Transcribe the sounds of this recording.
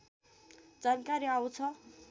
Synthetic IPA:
d͡zankaɾiaw̃t͡sʰʌ

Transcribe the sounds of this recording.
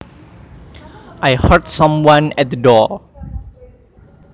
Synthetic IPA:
ʔajhɜtsãmwãnɛt̚dədɔ

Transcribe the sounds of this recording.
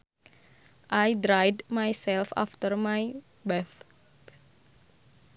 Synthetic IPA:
ʔajdɾajdmajsɛlfa̰ft̪ərmaj | bɛθ

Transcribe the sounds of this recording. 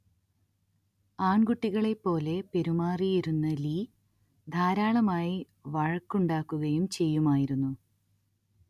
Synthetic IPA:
aːɳɡuʈːiɣɐɭe̞pːo̞ːle̞pe̞ɾumaːrijiɾunːɐliː | d̪ʱaːɾaːɭɐmaːji | ʋɐɻɐkːuɳɖaːkːuɣɐjumt͡ɕe̞jːumaːjiɾunːu

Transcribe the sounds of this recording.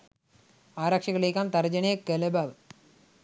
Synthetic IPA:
aːɾaːkʂɐɣɐɭeːkːaːnt̪ɐɾɐd͡ʑɐnekelɐbaʋɨ

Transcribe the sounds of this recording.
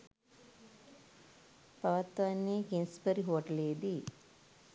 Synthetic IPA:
pɐʋɐt̪ʋɐnːeːkenspəɾiɦoːʈɐleːd̪i

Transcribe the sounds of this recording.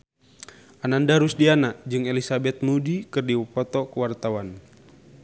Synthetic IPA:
anandaɾusdianad͡ʒɨŋɛlisabɛt̪̚mudikɨrdiwɔpɔt̪ɔkuwart̪awan

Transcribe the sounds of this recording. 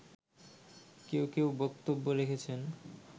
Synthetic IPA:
kewkewbɔkt̪obːoɾekʰet͡ɕʰen

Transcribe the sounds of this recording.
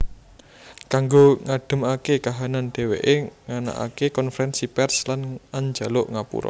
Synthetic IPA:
kaŋɡoŋaɖ̥ə̤makekaɦananɖ̥e̤wḛʔeŋana̰ʔa̰kekɔnfɾɛnsipɛrslanaɲd͡ʒa̤lʊʔŋapṵɾɔ̰

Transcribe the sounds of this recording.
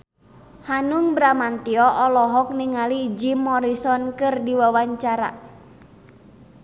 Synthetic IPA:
hanuŋbɾamant̪iɔʔɔlɔɦɔk̚niŋaliːd͡ʒimɔɾisɔnkɨrdiwawaɲt͡ʃaɾa̰

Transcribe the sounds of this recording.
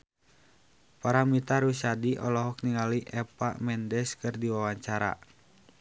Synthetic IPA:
paɾamit̪aɾusadiʔɔ̰lɔɦɔk̚niŋaliʔɛpa̰mɛndɛskɨrdiwawaɲt͡ʃaɾa̰

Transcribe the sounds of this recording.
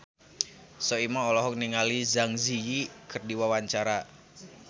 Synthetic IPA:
sɔimaɔlɔɦɔk̚niŋalizaŋzijikɨrdiwawaɲt͡ʃaɾa

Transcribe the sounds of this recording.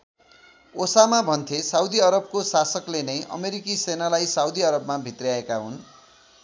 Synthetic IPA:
osamabʱʌnt̪ʰesawd̪iʌɾʌb̚kosasʌklenʌjʔʌ̰meɾikisenalajsawd̪iʌɾʌbmabʱit̪rijaekaɦun

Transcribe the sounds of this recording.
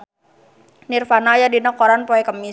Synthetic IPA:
nirfanajadinakɔɾanpɔɛkəmːi

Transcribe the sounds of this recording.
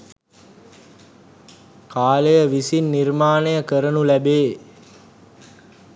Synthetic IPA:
kʰaːləjəʋisinːirmaːnəjəkəɾənulæbeː

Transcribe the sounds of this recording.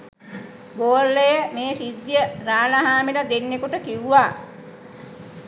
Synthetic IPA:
boːlːəjəmeːsid̪jəɾaːlaɦaːmiləd̪enːekuʈəkiuʋaː

